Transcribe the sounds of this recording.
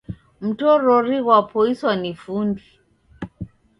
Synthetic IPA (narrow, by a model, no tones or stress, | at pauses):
m̩tɔɾɔɾiɣwapɔiswanifundi